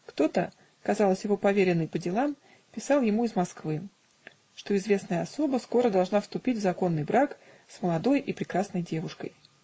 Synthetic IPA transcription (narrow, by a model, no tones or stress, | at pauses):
kt̪o̞t̪ə | kɐzɑlˠəsʲjɪvo̞pɐvʲeɾʲɪnːəjpədʲɪlˠam | pʲɪsɑlˠjɪmuɪzmɐskvɨ | ʂt̪o̞ɪzvʲe̞snəjəɐso̞bəsko̞ɾəd̪ɐlˠʐnafst̪ʊpʲitʲvzɐko̞nːɨjbɾak | sməlˠɐd̪o̞jʔɪpɾʲɪkɾasnəjdʲe̞vʊʂkə̰j